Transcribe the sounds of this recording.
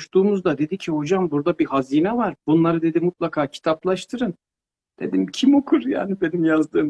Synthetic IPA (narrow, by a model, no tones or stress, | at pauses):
uʃt̪ʰuːmuzd̪ad̪e̞d̪icʰiho̞d͡ʒambuɾd̪abihaziːnɛvaɾbunlˠaɾɯd̪e̞d̪imut̪̚lˠakʰaːcʰi̥t̪ʰaplˠaʃt̪ʰɯɾɯn | d̪̥e̞̰d̪imcʰimokʰuɾja̰ːnibe̞nimjazd̪ɯːm